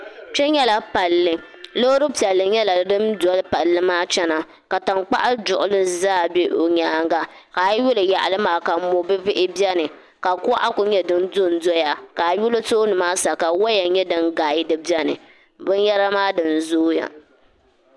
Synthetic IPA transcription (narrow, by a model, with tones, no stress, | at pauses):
t͡ʃɛ˦ɲɛ˦la˨pa˨lːɨ˦ | lo˦ɾɨ˦pi˨ɛ˨lːɨ˨ɲɛ˦la˨dɨ˦mdɔ˦lpa˨lːɨ˦maː˦t͡ʃɛ˦na˨ | ka˨ta˨nk͡pa̰˦ʔa˦dʊ˨ʔʊ˨lɨ˦zaː˦˨be˦ʔo˨ɲaː˦ŋɡa˦ka˨˦jʊ˦lɨ˨ja˨ʔa˨lɨ˦maː˨ka˨˦mo˨bɨ˦bɪ˦ʔɪ˦bjɛ˦nɨ˨ | ka˨ka˦ʔa˦kʊ˨ɲɛ˦dɨ˦ndʊ˦n˦do˦ja˨ka˨jʊ˦lɨ˦toː˦nɨ˨maː˦sa˨ka˨wa˦ja˨ɲɛ˦dɨ˦nɡaː˨ji˦dɨ˦bɛ˦nɨ̰˨ | bɨ˦n˦jɛ˦ɾa˦maː˦dɨ˨n˨zoː˦ja̰˨